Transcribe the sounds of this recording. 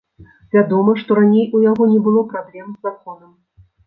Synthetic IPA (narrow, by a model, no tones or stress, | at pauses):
vʲad̪ɔmɐʂt̪ɔɾanʲejujaɣɔnʲɛbɨlˠɔpɾablʲɛmzakɔnɐm